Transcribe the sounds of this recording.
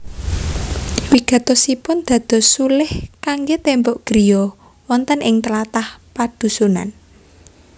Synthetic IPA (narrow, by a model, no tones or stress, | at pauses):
wiɡ̥ä̤t̪ɔsipʊnd̪̥ä̤d̪̥ɔ̤sulɪhkaŋɡet̪embɔʔɡ̥ɾijɔ | wɔnt̪ənʔɪŋt̪əlat̪ahpad̥ṳsuna̰n